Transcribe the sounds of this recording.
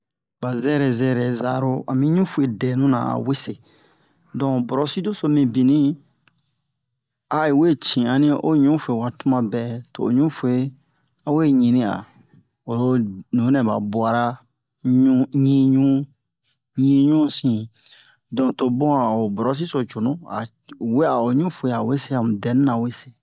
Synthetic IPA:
ba˨zɛ˦ɾɛ˨zɛ˦˨ɾɛ˨za̰˨ɾo˦a̰˨mĩ˦ɲũ˦fu˦e˨dɛ˨nũ˦nã̰˨a̰˨we˦se˨ | dɔ̃˨bɔ˨ɾɔ˨si˦do˦so˨mĩ˨bĩ˨nĩ˦ | a˨i˨we˦t͡ʃĩ˨a˨nĩ˦ʔo˦ɲũ˦fu˨e˨wa˨tu˦mã˨bɛ˨to̰ː˨ɲũ˦fu˨˦e˦ | a˨we˦ɲĩ˨nĩ˦a̰˨ | o˨ɾo˦nĩ˨˦nɛ̃˨ba̰˨bwa˨ɾa˦ | ɲu˦ɲĩ˦ɲũ˦ | ɲĩ˦ɲũ˦sĩ˨ | dɔ̃˨to˨bɔ̃˦a˨o˨bɔ˨ɾɔ˦s̬i˦so˨t͡ʃo˨nũ˦a̰˨ | we˦a˨o˨ɲũ˦fo˨e˨a˨we˦se˦a˨m˨dɛ˨n˦nã˨we˦se̥˨

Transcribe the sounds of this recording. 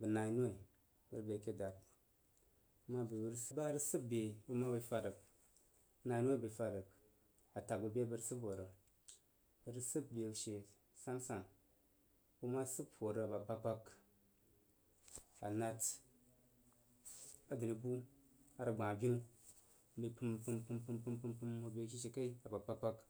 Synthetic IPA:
bɨ˨na˨i˦nu˦e˨ | bɨ˦ɾbe˨ke˦da˨t | mːa˦be˨bə˨ɾsɨ˦ba˦ɾɨ˦sɨ˦p̚be˨bɨ˦ma˦bə˧˦fa˧ɾə˨k | na˧˨i˦nwe˦˨bə˨fa˧ɾə˨k | a˨ta˨k̚bɨ˨be˦bɨ˧ɾsɨ˦bo˨ɾə˨ | bə˨ɾɨ˦sɨ˦b̚be˨ʃe˨ | sa˦nsa˨n | bu˧ma˦sɨ˦pwo˨ɾə˨a˨ba˨pa˧k͡pa˧k | a˨na˧t | a˨dɨ˨ni˨bu˦ | a˨ɾɨ˨ɡ͡bã˨a˨bʲi˦n̩˦ | bi˧pɨ˧m˨pɨ˧mpɨ˧mpɨ˧mpɨ˧mpɨ˧mpɨ˧mu˨bʲe˧˦˨k̬ʲi˦ʃ̬e˨ka˦i˦a˨ba˨pa˦k͡pa˦k

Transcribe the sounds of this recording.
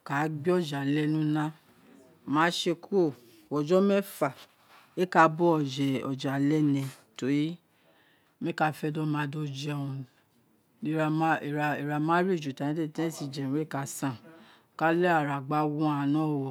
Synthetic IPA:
ka˨˦ɡ͡bi˦ɔ˦˨d͡ʒa˨lɛ˦nũ˦nã˦ | mãː˨˦ʃe˧ku˦o˦˨ | wɔ˨d͡ʒɔ˦mɛ˦fa˨ | e˦ka˧˦bɔ˦ɔ˨d͡ʒɛ˨ɔ˨d͡ʒa˨lɛ˦nɛ̃˧˨to˨ɾi˦ | mẽ˦ka˧fɛ˧dɔ˦mã˧do˧d͡ʒi˦ɔ˧ũ˧˨ | i˦˨ɾa˧˨m˦i˨ɾa˧i˨ɾa˧˨mãː˦ɾi˦˨d͡ʒu˨tã˨ĩ˦te˦˨tɛ̃˦˨si˧˨d͡ʒɛ̃˨we˦˨ka˨˧sã˦˨ | ka˦lɛ˦a˦˨ɾa˨ɡ͡ba˨˦wũ˦a˧˨˧nɔ̃ː˦˨wɔ˨

